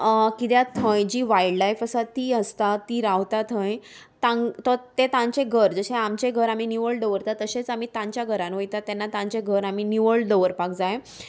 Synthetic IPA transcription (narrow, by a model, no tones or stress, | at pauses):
kit̪jat̪ʰə̃jd͡ʑiːʋajiɖlajfəsat̪iːəst̪at̪iːɾaʋt̪at̪ʰə̃j | t̪ãŋt̪ɔt̪et̪ãɲt͡ɕeɡʱəɾd͡zəɕẽamt͡ɕeɡʱəɾaminiʋəɭɖəʋəɾt̪at̪ːəɕet͡sam̤it̪ãɲt͡ɕjaɡʱəɾãnʋojt̪at̪ɛnːat̪ãɲt͡ɕeɡʱəɾam̤iːniʋəɭɖəʋəɾpakd͡zaje